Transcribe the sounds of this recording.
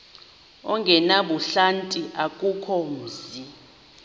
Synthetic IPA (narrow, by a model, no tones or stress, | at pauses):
ɔ̰ŋɡʱɛnaɓuɬantʼiʔakʼukʰɔm̩zi